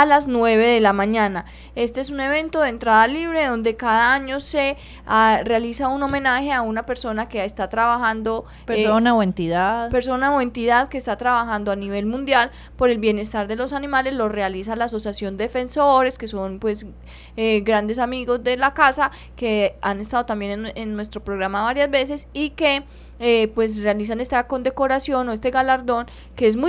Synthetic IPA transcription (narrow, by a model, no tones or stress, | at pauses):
alaznwe̞βe̞ðe̞lamãɲana | e̞st̪e̞esune̞β̞ẽ̞nt̪oðent̪ɾaðaliβɾe̞ðo̞nd̪e̞kaðaaɲose̞ | arealisauno̞mẽ̞naxe̞aunape̞ɾso̞nakeest̪at̪ɾaβaxand̪o̞ | peonaoent̪iðaðpeɾso̞naoe̞nt̪iðaðke̞ːst̪at̪ɾaβaxand̪oaniβe̞lmũnd̪jal | po̞ɾe̞lbjene̞st̪aɾd̪e̞lo̞sanimale̞slo̞re̞alisalaːs̬o̞sjasjo̞nd̪efe̞nso̞ɾe̞ske̞so̞npwe̞s | eɡɾand̪e̞s̬amiɣo̞zd̪e̞lakasa | keane̞st̪aðo̞t̪ambje̞neenːwest̪ɾo̞pɾo̞ɣɾamaβaɾjazbe̞s̬e̞sike̞ | epwe̞s̬realis̬ane̞st̪ako̞nd̪e̞ko̞ɾasjo̞no̞est̪e̞ɣalaɾd̪o̞n | ke̞es̬mu